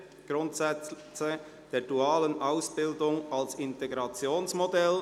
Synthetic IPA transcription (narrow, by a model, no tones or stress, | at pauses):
ɡ̥ɾʊntsɛt͡s | t͡sə | d̥eːd̥uaːlənʔaʊsb̥ɪldʊŋɑlsɪnteɡɾɑt͡sjoːnsmodɛl